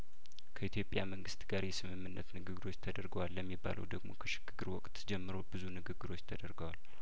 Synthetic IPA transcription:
kʰəit̪ʰjo̞pʼjaməŋɡɨst̪ɡaɾjɛsɨmɨmːɨnːət̪nɨɡɨɡɾo̞t͡ʃːt̪ʰəd̪əɾɡəwalːəmːiba̰lʔə̰wd̪əɡmo̞̰kʰəʃɪ̥ɡ̥ɨɡɨɾwɔkʼt̪d͡ʒɛmːɨɾo̞bɨzunɨɡɨɡːɨɾo̞t͡ʃːt̪ʰəd̪əɾɡəwal

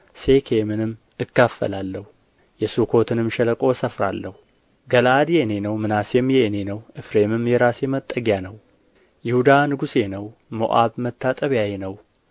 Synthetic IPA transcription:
se̞kʰe̞mɨnɨmː | ɨkːafːə̰lalːəhu | jɛsukʰo̞t̪ʰɨnɨmʃɛləkʼo̞səfɾa̰lːəhu | ɡəlad̪jene̞nəwmɨnasemjɛne̞nəwʔɨfɾe̞mɨmjɛɾasɛmət̪ʼːəɡjanəw | jɪhud̪anɨɡusenəwmo̰ʔaβmət̪ʰːat̪ʼəβjajenəw

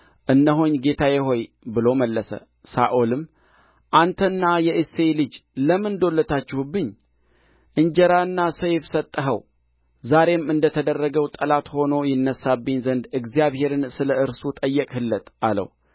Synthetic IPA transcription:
ʔɨnːəɦoɲɡe̞t̪ʰajɛɦo̞j | bɨlo̞məlːəsə̰ | sa̰ʔolɨmː | ʔant̪ʰənːajɛʔeselɨd͡ʒləmɨnd̪o̞lːət̪ʰat͡ʃːɪhubːɨɲː | ʔɨnd͡ʒəɾaɨnːasəjfsət̪ʼːəɦəw | zaɾe̞mɨnd̪ət̪ʰəd̪ərːəɡəwt̪ʼəlat̪ho̞no̞jɪnːəsːabːɨɲzənd̪ɨɡzijaβhe̞ɾɨnsɨləɨɾsut̪ʼəjːɛkʼhɨlːət̪alə̰w

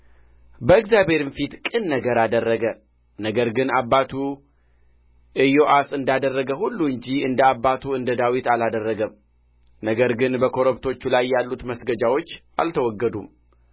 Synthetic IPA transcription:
bəɨkzjabhe̞ɾɨnfit̪kʼɨnːəɡəɾad̪ərːəɡə | nəɡəɾɡɨnabːat̪ʰu | ʔɨjo̞ʔasɨnd̪ad̪ərːəɡəhulːuɨɲd͡ʒiɨnd̪əabːat̪ʰuɨnd̪əd̪awit̪alad̪ərːəɡəm | nəɡəɾɡɨnbəkʰo̞ɾoβt̪ʰo̞t͡ʃːulajːalːut̪məsɡəd͡ʒawo̞t͡ʃːʔa̰lt̪ʰəwɔɡːəd̪um

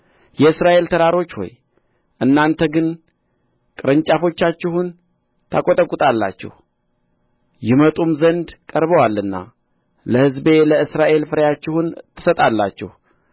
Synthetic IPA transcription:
jɛɨsɾaʔe̞lt̪ʰəɾaɾo̞t͡ʃːho̞̰j | ʔɨnːant̪ʰəɡɨn | kʼɨɾɨɲt͡ʃʼafo̞t͡ʃːat͡ʃːɪhun | t̪ʰakʼot̪ʼəkʼut̪ʼalːa̰t͡ʃːɪ̰h | jɪmət̪ʼumzənd̪kʼəɾβəwalːɨnːa̰ | ləhɨzbe̞ləɨsɾaʔe̞lfɨɾəjat͡ʃːɪhunt̪ʰːɨ̥sət̪ʼalːa̰t͡ʃːɛ̰h

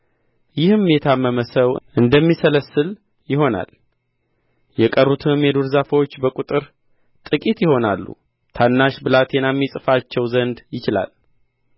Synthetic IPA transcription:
jɪhɨmjɛt̪ʰamːəməsəwʔɨnd̪əmːisələsːɨl | jɪɦo̞na̰l | jɛkʼərːut̪ʰɨmːɛd̪uɾzafəwo̞t͡ʃːbəkʼut̪ʼɨɾ | t̪ʼɨkʼit̪jɪho̞nalːṵ | t̪ʰanːaʃbɨlat̪ʰjɛnamːisʼɨfat͡ʃːɛwzənd̪jɪt͡ʃɪla̰l

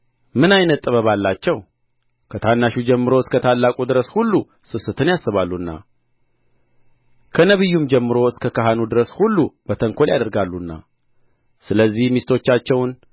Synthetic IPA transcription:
mɨnajnət̪ʼːəβəβalːat͡ʃːɛw | kʰət̪ʰanːaʃud͡ʒɛmːɨɾo̞ɨskʰət̪ʰalːakʼud̪ɨɾəshulːu | sɨsɨt̪ʰɨnjasːɨβalːunːa̰ | kʰənəβɨjːumd͡ʒɛmːɨɾo̞ɨskʰəkaɦanud̪ɨɾəshulːub̥ət̪ʰəŋkʰo̞ljad̪əɾɡalːunːa̰ | sɨləzːihmist̪ʰo̞t͡ʃːat͡ʃːɛwn

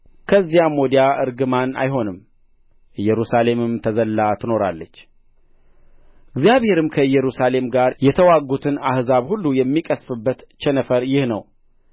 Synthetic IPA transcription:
kʰəzːijamod̪ijaʔɨɾɡɨmana̰jɦo̞nɨm | ʔɨjːɛɾusale̞mɨmt̪ʰəzəlːat̪ʰɨno̞ɾa̰lːət͡ʃː | ɨɡzijaβhe̞ɾɨmkʰəjɛɾusale̞mɡaɾjɛt̪ʰəwaɡut̪ʰɨnahzaβhulːujɛmːikʼəsfɨbːət̪t͡ʃɛnəfəɾjɪhnə̰w

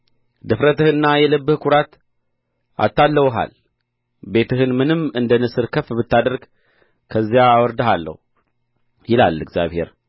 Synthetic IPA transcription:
d̪ɨfɾət̪ʰəhɨnːajɛləbːɨhkʰuɾat̪ | ʔa̰t̪ːalːəwɦa̰l | be̞t̪ʰɨɦɨnmɨnɨmɨnd̪ənɨsɨɾkʰəfbɨt̪ːad̪əɾɡ | kʰəzːijaːwɔɾd̪əɦalːə̰hu | jɪla̰lːɨɡzja̰βhe̞̰ɾ

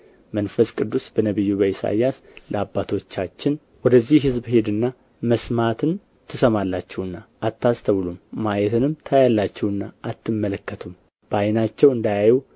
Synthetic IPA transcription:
mənfəskʼɨd̪ːusbənəβɨjːuβəisa̰jas | ləabːat̪ʰo̞t͡ʃːat͡ʃːɪn | wɔd̪əzːiɦɨzbhe̞d̪ɨnːa | məsmat̪ʰɨn | t̪ʰɨsəmalːat͡ʃːɛhɨnːaʔːt̪ːast̪ʰəβlumːajɛt̪ʰɨnɨmt̪ʰajalːat͡ʃːɛhɨnːaʔːt̪ʰːɨmːələkːət̪ʰum | b̥əajnat͡ʃːɛwɨnd̪ajaju

